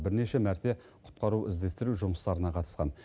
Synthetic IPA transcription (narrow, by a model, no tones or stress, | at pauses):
bɪɾne̞ʃe̞mæɾt̪e̞ | qʰʊ̥t̪̚qɑɾuwʔɪ̰zd̪e̞st̪ɪɾuʒʊməst̪ɑɾənɑqʰɑt̪ə̥sqɑn